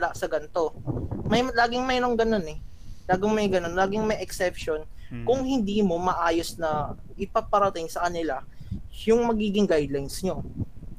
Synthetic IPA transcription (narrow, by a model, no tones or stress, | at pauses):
laʔsɐɡɐnt̪o̞mɐjlaːɡɪŋmɛjnoŋɡɐno̞nɛ | laːɡɪŋmɐjɡɐno̞nlaːɡɪŋmɐjʔɛksɛp̚ʃon | kʊŋhɪnd̪iːmo̞mɐʔaːjo̞snɐ | ʔɪpɐɡ̚pɐɾɐt̪ɪŋsɐkɐnɪlajʊŋmɐɡiːɡɪŋɡajd̪lajnsɲo̞